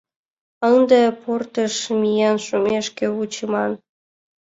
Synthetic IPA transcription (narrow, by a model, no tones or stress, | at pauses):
ənd̪eport̪əʃmʲijɑnʃumʲeʃkeut͡ɕəmɑn